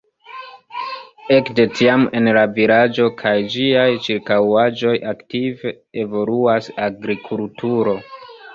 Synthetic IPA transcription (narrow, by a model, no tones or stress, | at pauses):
e̞kde̞tʰiame̞nlaviɾad͡ʒo̞kʰajd͡ʒiajt͡ʃiɾkawad͡ʒo̞jaktive̞ | evo̞luasaɡɾikʰultʰuɾo̞